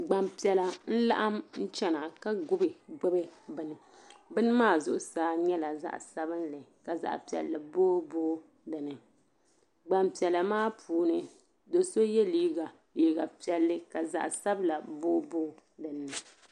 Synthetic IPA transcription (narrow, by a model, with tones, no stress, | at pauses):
ɡ͡ba˨mpi˨ɛ˨la˨n̩˦la̰˦ʔa˦mn̩˦t͡ʃɛ˦na˨ʔka˦ɡʊ˦bɨ˨ɡ͡bɨ˦bɨ˦bɨ˨nɨ˨ | bɨ˦nɨ˦maː˦˨zʊ˦ʔʊ˦saː˦ɲɛ˦la˨za̰˦ʔsa˦bɨ˦n˦lɨ˨ka˨za̰˨ʔpi˨ɛ̰˨lla˨boː˦boː˦ | dɨ˨nɨ˨ | ɡ͡ba˨mpi˨ɛ˨la˨maː˦pʰuː˨nɨ˦ | do˨so˦jɛ˦liː˦ɡa˨ | liː˨ɡa˨pi˨ɛ˨lːɨ˦ka˨za̰˨ʔsa˦bla˨boː˦boː˦dɨ˨n˨nɨ˨